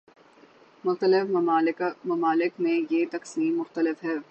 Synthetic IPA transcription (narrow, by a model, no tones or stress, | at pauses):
mʊxt̪əlɪf | mɐmaːlɪkmẽjet̪ɐqsiːmːʊxt̪əlɪfɦɛː